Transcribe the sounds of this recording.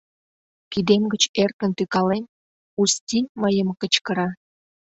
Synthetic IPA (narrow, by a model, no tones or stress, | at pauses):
kid̪emɡət͡ɕert̪ənt̪ykɑlen | ust̪ʲimɑjəmkət͡ɕkəɾɑ